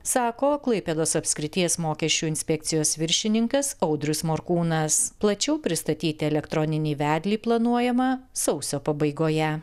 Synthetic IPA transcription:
sɑːkoːklˠɐɪpʲeːd̪oːsɐpʲsʲkɾʲɪt̪ʲiɛsmoːkʲɛʃʲt͡ʃʲuːɪnʲsʲpʲɛk̚t̪sʲɪjoːsʋʲɪɾʲʃʲɪnʲɪŋkɐsɐʊd̪ʲɾʲʊsmoɾkuːnɐsplˠɐt͡ʃʲɛʊpʲɾʲɪst̪ɐt̪ʲiːt̪ʲɪɛlʲɛkt̪ɾɔnʲɪnʲiːʋʲæːd̪ʲlʲiːplˠɐnuɔjɛmɐsɒʊsʲoːpɐbɐɪɡoːjɛ

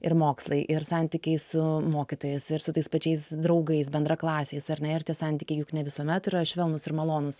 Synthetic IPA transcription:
ɪɾmoːkslˠɐɪʔɪɾsɑnʲt̪ʲikʲɛɪsʊmoːkʲɪt̪oːjɛɪsɪɾsʊt̪ɐɪspɐt͡ʃʲɛɪsd̪ɾɐʊɡɐɪs̬bʲɛnd̪ɾɐklˠɑːsʲeɪsɐɾnʲɛɪrt̪ʲiɛsɑnʲt̪ʲiːkʲɛɪjʊknʲɛʋʲɪsuɔmʲɛt̪ɪɾɐʃʲʋʲɛlˠnʊsɪɾmɐlˠoːnʊs

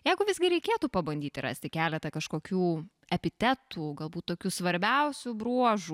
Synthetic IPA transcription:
jɛɪɡʊʋʲɪzɡʲɪɾʲɛɪkʲeːt̪uːpɐbɐnʲd̪ʲiːt̪ʲɪɾɑ̰sʲt̪ʲɪkʲæːlʲɛt̪ɐkɐʃkoːkʲuː | ɛpʲɪt̪ʲɛt̪ʰuːɡɐlˠbuːt̪t̪oːkʲuːsʋɐɾʲbʲɛʊsʲʊbɾuɔʒu

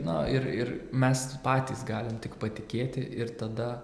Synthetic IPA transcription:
nɐɪɾɪɾmʲɛspɑːt̪ʲiːsɡɑːlʲɪmt̪ʲɪkpɐt̪ʲɪkʲeːt̪ʲɪʔɪɾt̪ɐd̪ɐ

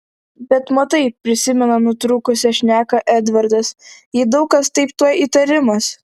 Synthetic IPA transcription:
bʲɛt̪mot̪ɐɪpʲɾʲɪsʲɪmʲɛnɐnʊt̪ɾʊkʊsʲɛʃʲnʲæːkɐʔɛd̪ʋɐɾd̪ɐsjɪd̪ɐʊkɐst̪ɐɪpt̪uɔjiːt̪ɐɾʲɪmɐs

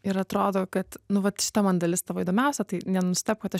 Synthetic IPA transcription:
ɪɾɐt̪ɾoːd̪oːkɐt̪nʊʋɐt̪ʃʲɪ̥t̪ɐmɐnd̪ɐlʲɪst̪ɐʋoːiːd̪oːmʲɛˑʊsʲɛt̪ɐɪnʲɛnʊsʲt̪ʲɛp̚kɐt̪ɐ

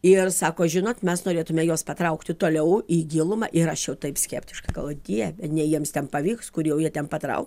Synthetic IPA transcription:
ɪrsɑːkoːʒʲɪnoːt̪mʲɛsnoːɾʲeːt̪ʊmʲɛjoːspɐt̪ɾɐʊkt̪ʲɪt̪oːlʲɛʊiːɡʲɪlˠʊmɐ̰ʔɪɾɐʃjɛʊt̪ɐɪpsʲkʲɛːpʲt̪ʲɪʃkɐɪɡɐlˠʋoːd̪ʲiɛbʲɛt̪nʲɛjiɛmst̪ʲɛnpɐʋʲiːkskʊɾjɛʊjiɛt̪ʲɛnpɐt̪ɾɐ̰ʊk

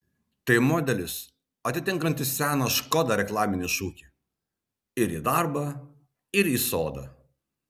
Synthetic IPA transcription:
t̪ɐɪmɔːd̪ʲɛlʲɪs | ɐt̪ʲɪt̪ʲɪŋˑkɐnʲt̪ʲɪssʲæːnɐʃkɔd̪ɐɾʲɛklˠɑːmʲɪnʲɪʃuːkʲi | ɪɾḭːd̪ɑɾbɐ | ɪɾiːsoːd̪ɐ̰

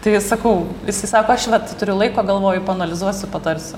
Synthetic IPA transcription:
t̪ɐɪsɐkɐʊɪsɐɪsɑːkoːɐʃʋɐt̪ʲɪt̪ʊɾʲʊlˠɐɪkoːɡɐlˠʋoːjʊpɐɐnɐlʲɪzuɔsʲʊpɐt̪ɐɾʲsʲʊ

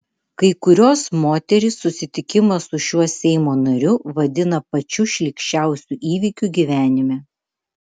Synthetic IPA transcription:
kɐɪkʊɾʲoːsmoːt̪ʲɛɾʲɪsːʊsʲɪt̪ʲɪkʲɪmɐsʊʃʲuɔsʲɛɪmoːnɐɾʲʊʋɐd̪ʲɪnɐpɐt͡ʃʲʊʃʲlʲɪkʃʲt͡ʃʲæˑʊsʲuːʔiːʋʲikʲuːɡʲiːʋʲæːnʲɪmʲɛ

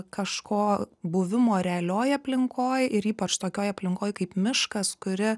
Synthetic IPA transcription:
kɐʃkoːbʊʋʲɪmoːɾʲɛɐlʲoːjɐpʲlʲɪŋkoːjɪɾiːpɐt͡ʃt̪oːkʲoːjɐpʲlʲɪŋkoːjkɐɪpmʲɪʃkɐskʊɾʲɪ

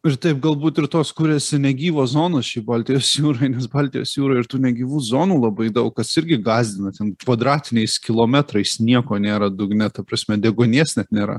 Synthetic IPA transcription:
ɪɾt̪ɐɪp̚ɡɐlˠbuːt̪ɪɾt̪oːskʊɾʲɛsʲɪnʲɛɡʲiːʋoːzoːnoʃʲiːbɑːlʲt̪ʲɪjoːsjuːɾoɪnʲɛsbɑːlʲt̪ʲɪjo̰ːsjuːɾoɪɪɾt̪uːnʲɛɡʲiːʋuːzoːnuːlˠɐbɐɪd̪ɐʊkɐsɪɾʲɡʲɪɡɑːzʲd̪ʲɪnɐt̪ʲɛnkʋɐd̪ɾɑːt̪ʲɪnʲɛɪskʲɪlˠoːmʲæt̪ɾɐɪsnʲiɛkoːnʲeːɾɐd̪ʊɡnʲɛt̪ɐpɾɐsʲmʲɛdʲɛɡoːnʲiɛsnʲɛt̪nʲeːɾɐ̰

